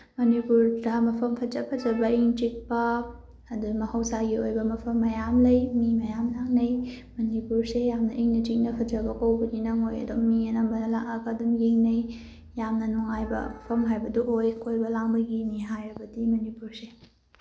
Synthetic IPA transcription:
mɐnipuɾdɐmɐpʰɐmpʰɐd͡ʒɐpʰɐd͡ʒɐbɐiŋt͡ʃik̚pɐː | dumɐhɐwsaɡiojbɐmɐpʰɐmːɐjamlɐjmimɐjamlaŋnɐj | mɐnipuɾsejamnɐʔiŋnɐtik̚nɐpʰɐd͡ʒɐbɐkɐwbɐninɐŋojɐ̰dumiɐnɐmbɐnlaŋɐkadumjeŋnɐj | jamnɐnuŋajbɐ̰mɐpʰɐmɦajbɐduʔojkʰojbɐlaŋbɐɡiniɦajɾɐbɐdimɐnipuɾse

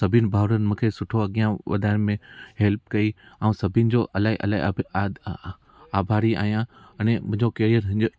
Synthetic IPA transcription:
sɐbʱɪnɪ̆bʱaːʋɾənɪ̆mʊ̃kʰesʊʈʰoɐɠijãʋɐ̰d̪ʱaːnmẽɦelp̚kɐiãũsɐbʱɪnɪ̆d͡ʑoːʔɐlaːɦiʔɐ̰laːḭɐbʱa | aːbʱaːɾia̰ːɦijã | ɛnemʊ̃ɦɪ̃ɲd͡ʑokeːɾiəɾɦɪ̃ɲd͡ʑ

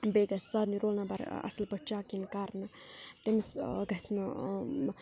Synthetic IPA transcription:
beɡɐsːaːd̪niɾoːlnabɐɾɐ̰slbɐt͡ʃaːkinkaːɾnɐt̪emsɡɐsnɐ

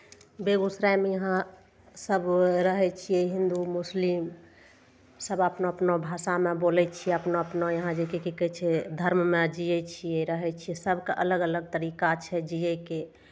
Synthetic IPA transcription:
beɡusɾajmejəɦã | səbɾəɦɛt͡ʃʰijɛɦĩnd̪umuslim | səbəpnoəpnobʱasamebolɛt͡ʃʰiɛəpnoəpnojəɦãd͡ʒekekekɛt͡ʃʰɛd̪ʱəɾmmed͡ʒijɛt͡ʃʰijɛɾəɦɛt͡ʃʰijɛsəbʱkeʔələɡələɡ̚t̪əɾikat͡ʃʰɛd͡ʒijɛke

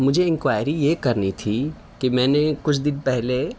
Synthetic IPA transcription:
mʊd͡ʒʱeɪ̃ŋkwaːɪjɾijekɐɾnit̪ʰi | kimɛ̃ːnekʊt͡ʃʰd̪ɪnpɛɦle

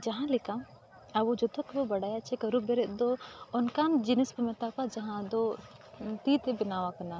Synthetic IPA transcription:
d͡ʒɐɦãlɪkã | aʋod͡ʒot̪okebobɐɽaːjat͡ʃʰekɐɾubeɾed̪oʊnkaːnd͡ʒinispɐmet̪akad͡ʒɐɦãd̪o | t̪it̪ebɪnaːʋakɐnaː

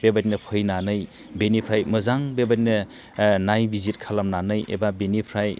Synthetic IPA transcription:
bebatinɐpʰɯjnanɯj | benipʰɾajmɯzaŋbebat̬nɯ | najbizit̚kʰalamnanɯjʔḛbabenipʰɾaj

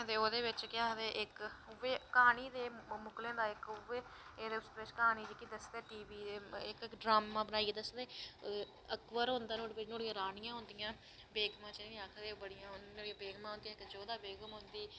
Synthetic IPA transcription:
d̪eːoːd̪eːʋɪt͡ʃkɪaːd̪eːʔɪkʊʋeːkaːniːd̪eːmʊklẽːd̪aːɪkʋeː | eːd̪eːsd̪eːɪt͡ʃkaːniːd͡ʒikːid̪əsd̪eːʈiːʋiːeːɪkkɖɾaːmãːbənaːieːd̪əsd̪eː | əkʋəɾɦʊ̃nd̪aːnoːɽebɪt͡ʃnoːɽijãːɾaːnɪjãːɦʊ̃nd̪ɪjãː | beːɡmãːt͡ʃeĩaːkʰd̪eːbəɽijãːoːɽiãːbeːɡmãːɦõːnd̪iãɪkd͡ʒoːd̪aːbeːɡəmʊ̃nd̪iː

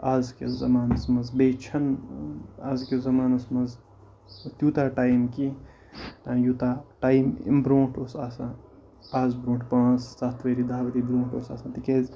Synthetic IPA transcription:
aːzkḛzɐ̰maːnɐsmɐzbejt͡ʃʰɐn | azkezɐmaːnɐsmɐz | t̪juːt̪aːʈaːjmki | ãːjut̪aːʈaːjm̰bɾõːʈʰosaːsã | paːzbɾõːʈʰpãːt͡sʰsaːt̪ʰʋeɾid̪aːʋɐt̪ibɾõːʈoːsa̰ːsãt̪ikez

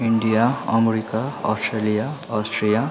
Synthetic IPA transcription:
iɳɖijaʌmeɾikaɔ̰sʈrelijaʌsʈʰrija

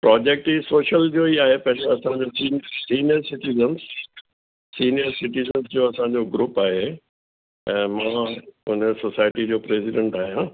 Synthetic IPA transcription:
pɾɔːd͡ʑek̚ʈiːsoːʃəld͡ʑoiaːɦepɐ̃ɦɪ̃ɲd͡ʑoɐsãɲd͡ʑosiːnsiːnijəɾsɪʈizəns | siːnijəɾsɪʈizənzd͡ʑoːɐsãɲd͡ʑoːɡɾuːpaːɦe | ɛ̃ːmãːʊnəsosaːɪʈid͡ʑoːpɾeːsɪɖẽɳʈaːɦijãː

